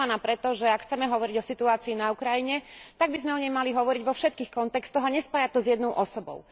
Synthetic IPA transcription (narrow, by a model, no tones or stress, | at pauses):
anaːpɾɛt̪ɔʒɛakxt͡sɛmɛɦɔʋɔɾiɟɔsit̪uaːt͡siːnaukɾajiɲɛt̪aɡbizmɛɔɲɛjmaliɦɔʋɔɾiɟʋɔfʃɛt̪̚kiːxkɔnt̪ɛkst̪ɔɦaɲɛspaːjat̪ɔzjɛd̪nɔʊʔɔsɔbɔ̰ʊ